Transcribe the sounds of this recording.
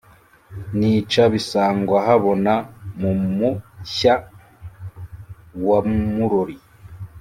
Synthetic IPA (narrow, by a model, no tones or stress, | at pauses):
nit͡ʃaβisaːŋɡwaɦaβo̞namumuça | wamuɾoɾi